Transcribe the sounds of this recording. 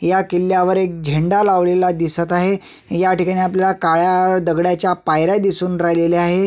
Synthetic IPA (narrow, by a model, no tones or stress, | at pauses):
jakilːjaʋəɾek̚d͡ʑʱeɳɖalaʋlelad̪isət̪aɦe | jaʈikaɽ̃iaplalakaɭjaɾd̪əɡɽjat͡ɕjapajɾad̪isuːnɾaɦleleaɦe